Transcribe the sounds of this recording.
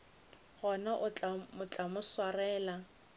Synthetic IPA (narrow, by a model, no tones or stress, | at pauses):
ɣɔnaʔʊt͡ɬmʊt͡ɬʼamʊswarɛːla